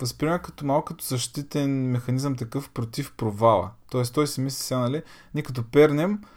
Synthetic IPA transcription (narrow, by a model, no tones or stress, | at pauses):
vɐspɾimɛkɐt̪omalˠkət̪o̥zɐʃt̪it̪ɛnmɛxɐnizəmt̪ɐkɤfpɾot̪ifpɾovalˠə̰t̪ɔɛst̪ɔisɛmisisʲjanɐliniɛkɐt̪̬opɛɾnɛm